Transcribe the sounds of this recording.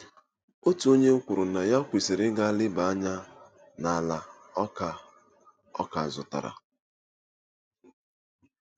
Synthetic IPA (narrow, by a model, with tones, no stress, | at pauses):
o˦tu˨˦o˦ɲe˦kʷʊ˨ɾʊ˨na˨ja˦kʷi˨se˨ɾɪ˦ɡa˦lɪ˦ba˨a˦ɲa˦ | na˨la˨ | ɔ˦ka˨ | ɔ̰˦ka˨zʊ˨ta̰˨ɾa̰˨